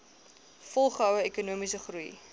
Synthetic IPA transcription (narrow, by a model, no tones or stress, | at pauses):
fɔlˠχəɦœwəekunuəmisəχruj